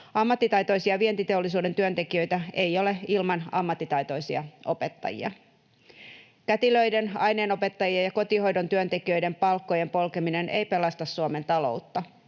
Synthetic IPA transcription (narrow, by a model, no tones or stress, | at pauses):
ɑmːɑt̪ːit̪ɑjt̪o̞jsiɑʋie̞nt̪it̪e̞o̞lːis̬uːdent̪yønt̪e̞kiø̞jt̪æe̞jo̞le̞ilmɑnɑmːɑt̪ːit̪ɑjt̪o̞jsiɑʔo̞pe̞t̪ːɑ̰jḭɑ̰ | kæt̪ilø̞ijde̞nɑjneːno̞pe̞t̪ːɑjiɑjɑkot̪iho̞jdo̞nt̪yønt̪e̞kiø̞jde̞mpɑlkːo̞je̞mpo̞lke̞mine̞nʔejpe̞lɑst̪ɑsːuome̞nt̪ɑlo̞̰ut̪ːɑ